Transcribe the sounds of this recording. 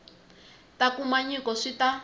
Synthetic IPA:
takumaɲikɔʂita

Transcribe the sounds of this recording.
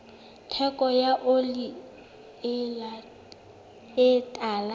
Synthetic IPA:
tʰɛkʼɔjaʔoli | a | ɪtʼaːla

